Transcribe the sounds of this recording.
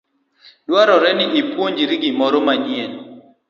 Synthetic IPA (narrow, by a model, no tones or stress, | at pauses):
dwaɾɔɾɛnɪʔipwoɲd͡ʒiɾiɡɪmɔɾɔmaɲjen